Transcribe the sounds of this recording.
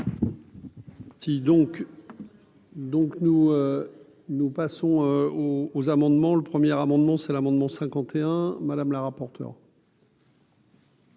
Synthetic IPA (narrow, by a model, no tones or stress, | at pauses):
sid̪ɔ̃k | d̪ɔ̃knuø | nupasɔ̃øoːzamɑ̃d̪mɑ̃ləpχəmjɛʁamɑ̃d̪mɑ̃sɛlamɑ̃d̪mɑ̃sɛ̃kɑ̃t̪ʰeɛ̃mad̪amlaʁapɔʁt̪ʰœ̰ʁ